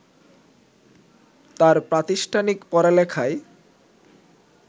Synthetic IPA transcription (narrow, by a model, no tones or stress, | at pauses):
t̪aɾpɾat̪iʃʈʰanikpɔɾalɛkʰae